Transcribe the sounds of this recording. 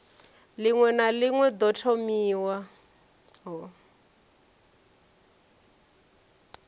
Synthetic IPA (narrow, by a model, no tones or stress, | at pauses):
liŋwɛnaliŋwɛd̪ɔtʰɔmiːwa | ɦɔ